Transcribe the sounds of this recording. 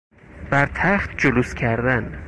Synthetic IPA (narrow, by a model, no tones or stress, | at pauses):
b̥æɾt̪ʰæxt̪̚d͡ʒoluscʰæɾd̪æn